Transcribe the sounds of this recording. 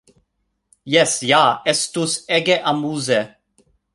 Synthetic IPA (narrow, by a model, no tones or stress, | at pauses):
jɛsjaːɛst̪usɛɡɛʔamuːzɛ